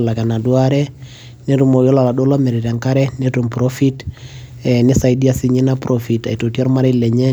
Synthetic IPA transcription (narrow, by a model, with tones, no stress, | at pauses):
la˨ɡa˨na˨du˦aɾɛ˦ | ne˦ɾu˦˨mɔ˨jɔ˦la˨la˨do˦lɔ˦mɛ˨ɾi˨ɾa˨ŋka˦ɾɛ˦netu˨mpɾofi˦t | ɛni˦sa˨idi˦a˨si˦ɲi˦na˦pɾʔofi˨ta̰˨i˨to˨tiɔ˦ɾma˦ɾɛ˦lɛ˨ɲɛ˦